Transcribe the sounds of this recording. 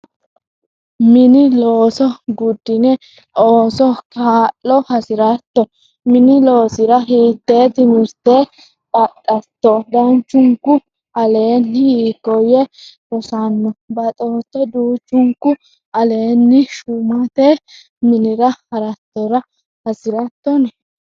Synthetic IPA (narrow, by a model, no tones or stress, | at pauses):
mɪnɪloːsɔɡʊd̪ːɪnɛ | oːsɔkʰaːlːɔhɐsɪɾɐt̪ːɔ | mɪnɪlo̞ːsɪɾɐɦiːt̪ːeːt̪ɪmɪɾt̪e | pʼɐt̪ʼːɐt̪ːɔd̪ɐnt͡ʃːʊŋkːʊ | ɐle̞ːnːhiːkːɔjɛɾɔsanːɔbɐt̪ʼoːt̪ːɔd̪uːt͡ʃːʊŋkːʊ | ɐle̞ːnːɪʃʊmɐt̪e | mɪnɪɾɐhɐɾɐt̪ːɔɾɐ | hɐsɪɾɐt̪ːɔn